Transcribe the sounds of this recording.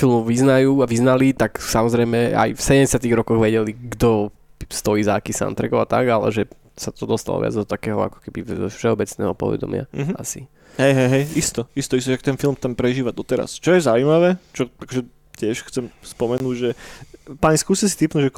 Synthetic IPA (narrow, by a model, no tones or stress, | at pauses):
filˠmɔʋiznajuːaʋiznalit̪aksamɔzɾɛjmɛa̰jfsɛɟɛɛsɪat̪iɣɾɔkɔɣʋɛɟɛliɡd̪ɔ | st̪ɔiːzakisa̰nt̪ɾɛɡɔʊat̪a̰ɡalɛ̰ʒɛ | sat̪ɔd̪ɔst̪a̰lɔ̰ʋɪa̰d͡zd̪ɔt̪akɛːɦɔ̰a̰kɔ̥kɛbifʃɛɔbɛt͡snɛ̰ːɦɔpɔ̰ʋɛ̰d̪ɔ̰mɪa̰a̰si | ɦɛjɦɛjɦɛjist̪ɔist̪ɔist̪ɔt͡ʃakt̪ɛnfilˠmt̪ampɾɛʒiːʋad̪ɔt̪ɛɾa̰st͡ʃɔjɛzaʊujmaʋɛt͡ʃɔakɔʒɛ | c̪ɪɛʃxt͡sɛmspɔmɛnuːɟʒɛpaɲiskuːsɛsi̥t̪ipnuʒɛ